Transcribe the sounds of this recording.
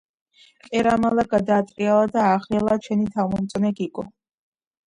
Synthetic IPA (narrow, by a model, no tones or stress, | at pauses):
kʼɛɾamalaɡad̪aːt̪ʼɾʼialˠad̪aːχɾialˠat͡ʃʰɛnit̪ʰamɔmt̪sʼnɛɡiɡʼɔ